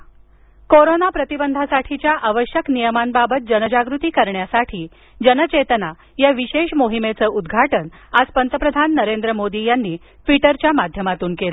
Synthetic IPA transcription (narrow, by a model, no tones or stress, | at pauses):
koɾonapɾət̪ibənd̪ʱasaʈʰit͡ɕjaʔaʋəɕjəknijəmanbabət̪̚d͡ʑənəd͡ʑaɡɾut̪iːkəɾɳjasaʈʰiː | d͡ʑənət͡ɕet̪əna | jaʋiɕeɕmoɦimet͡səːʔud̪ɡʱaʈən | ad͡zpənt̪əpɾəd̪ʱanːəɾend̪ɾəmod̪ijanːiː | fiʈəɾt͡ɕjamad̪ʱjəmat̪uːnkel